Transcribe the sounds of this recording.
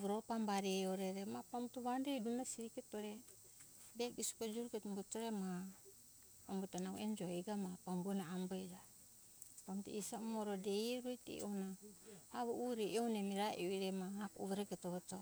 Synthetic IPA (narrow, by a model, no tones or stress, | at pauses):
βɾopambaɾeoɾeɾemapamtuβandejdunasiɾiketoɾe | bekisu̥kod͡ʒuɾuketmbotoɾema | ambotanauend͡ʒoiɡamapambonaambed͡ʒa | pamtṵisamoɾodejɾojtḭonaaβouɾeownemiɾaʔeiɾemaakṵβɾeketoto